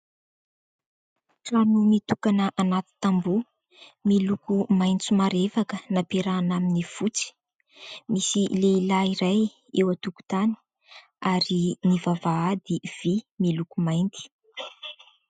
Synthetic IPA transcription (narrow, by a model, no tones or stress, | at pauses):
ʈ͡ʂanumit̪ukanəʔanat̪i̥t̪ambu | milukumajnt͡sumaɾefakənapeɾanaminifut͡si̥ | misileilaiɾaj | ewat̪uku̥t̪ani̥ | aɾinivavaad̪iv̥imilukumajnt̪i̥